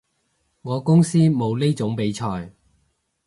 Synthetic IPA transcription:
ŋɔː˨˧kʊ˥ŋsiː˥mo˨˧wle˥jt͡sʊ˨˥ŋpe˨˥jt͡ʃʰɔː˧j

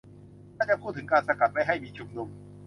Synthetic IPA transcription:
naː˥˩t͡ɕa˨˩pʰuː˥˩t̪ʰːɯ˩˦ŋkaː˧nsa˧ka˨˩t̪̚ma˥˩jɦa˥˩jmiː˧t͡ɕʰu˧mnu˧m

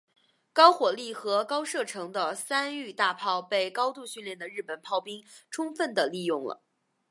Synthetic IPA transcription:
kɑ˥ʊxwɔ˨˩li˥˩xɤ˧˥kɑ˥ʊʂɤ˥˩ʈ͡ʂʰɤ˧˥ŋd̪ə˧sa˥ny˥˧t̪a˥˧pʰɑ˥˧ʊpe˥˩ɪkɑ˥ʊt̪u˥˧ɕy˥˧nljɛ˥˩nd̪ə˩ɻɻ̩˥˩pə˨˩npʰɑ˥˩ʊpi˥ŋʈ͡ʂʰʊ˥ŋfə˥˩nd̪ə˩li˥˧jʊ˥˩ŋlə̰˩

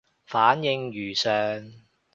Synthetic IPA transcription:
faː˨˥njɪ˧ŋjyː˨˩sœː˨˧ŋ

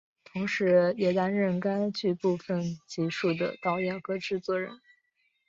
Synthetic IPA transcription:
t̪ʰʊ˧˥ŋʂɻ̩˧˥jɛ˧˩t̪a˥nɻə˥˩nka˥ɪt͡ɕy˥˧pu˥˩fə˨˩nt͡ɕi˧˥ʂu˥˩d̪ə̰˩t̪ɑ˥˩ʊjɑ˥˩kɤ˥ʈ͡ʂɻ̩˥˧t͡swɔ˥˩ɻə̰˧˥n

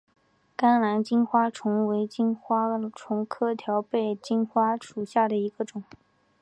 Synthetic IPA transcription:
ka˥ŋla˧˥nt͡ɕi˥nxwa˥ʈ͡ʂʰʊ˧˥ŋwe˧˥ɪt͡ɕi˥nxwa˥ʈ͡ʂʰʊ˧˥ŋkʰɤ˥t̪ʰjɑ˧˥ʊpe˥˩ɪt͡ɕi˥nxwa˥ʂu˨˩ɕja˥˩d̪ə˩i˧˥ɡ̥ə˧ʈ͡ʂʊ˨˩˦ŋ

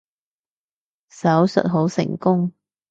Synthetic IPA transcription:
sɐ˨˥wsɵ̰˨t̚ɦo˨˥wsɪ̰˨˩ŋkʊ˥ŋ

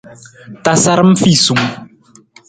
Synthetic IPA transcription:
ta˨sa˦ɾɨ˦m̩˦fi˦˨su˨ŋ˨

